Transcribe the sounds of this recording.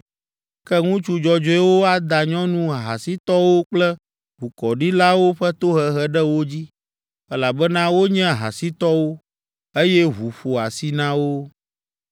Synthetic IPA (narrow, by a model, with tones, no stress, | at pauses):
kɛ˦ŋũ˦t͡ʃu˦d͡ʒɔ˨d͡ʒɔ˦ɛ˦wo˦a˦d̪a˨ɲɔ̃˦nũ˦a˨ɦa̰˨si˦t̪ɔ˦wo˦k͡plɛ˦ | ɸu˨kɔ˨ɖi˦la˦wo˦ɸɛ˦t̪o˦ɦɛ˨ɦɛ˦ɖɛ˦wo˦d͡ʑi˦ | ɛ˦la˨bɛ˦nã˦wo˦ɲɛ̃˦˨ɦa̰˨si˦t̪ɔ˦wo˦ | e˦jɛ˦ɦu˨ɸo˨a˨si˦nã˦wo˦